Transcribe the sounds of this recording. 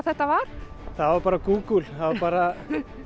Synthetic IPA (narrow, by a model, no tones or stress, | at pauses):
θɛht̪avaɾ̥ | θaðvaɾpaːɾakuːkulθaðvapaːɾa